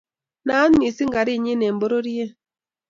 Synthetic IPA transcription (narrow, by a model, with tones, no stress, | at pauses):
na˨˦n˦mi˨si˦ŋɡa˨ɾi˦˨ɲi˦nɛ˨mbo˦ɾo˦ɾi˦e˦